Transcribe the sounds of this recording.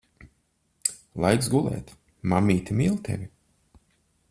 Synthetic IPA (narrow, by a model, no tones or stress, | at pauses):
lˠajksɡulˠɛ̰ːt̪ʲ | mamiːt̪ʲimiːlˠt̪ʲʰḛvʲi